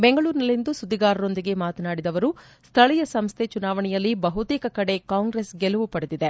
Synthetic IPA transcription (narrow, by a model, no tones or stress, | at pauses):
beŋɡɐɭuːɾnɐlind̪usud̪ːiɡaːɾɐɾo̞nd̪iɡe̞maːt̪ɐnaːɽid̪ɐʋɐɾu | st̪ʰɐɭɛjɐsɐmst̪ʰe̞t͡ʃunaːʋɐɳɛjɐlːibɐɦut̪iːkɐkɐɽe̞kaːŋɡɾesɡɛluʋupɐɽed̪id̪e